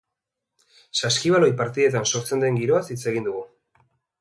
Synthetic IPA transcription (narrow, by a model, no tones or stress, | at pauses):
saskiβ̞alo̞jpaɾt̪iðe̞t̪̬anso̞ɾt͡se̞nd̪e̞ŋɡiɾo̞asit͡se̞ɣind̪uɣu